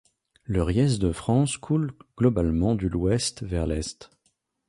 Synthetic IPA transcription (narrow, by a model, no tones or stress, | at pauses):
ləʁjɛs̬d̪əfχɑ̃skʰulɡ̥lɔbalmɑ̃d̪ylwɛst̪vɛʁlɛst̪